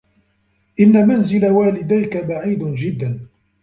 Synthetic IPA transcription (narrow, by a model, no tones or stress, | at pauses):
ʔɪnːamanzɪlawaːlɪd̪ajkabaʕiːd̪nd͡ʒɪd̪ːan